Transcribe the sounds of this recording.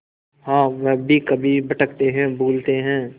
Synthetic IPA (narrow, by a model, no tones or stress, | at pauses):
ɦãːʋɛɦbʱikɐbʱibɐʈəkt̪eɦɛ̃ːbuːlt̪eɦɛ̃ː